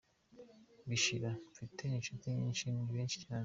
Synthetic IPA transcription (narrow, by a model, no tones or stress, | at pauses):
biʃiɾaɱfitʰeinʃotiɲḭːnʃiniβeːnʃi̥ciaː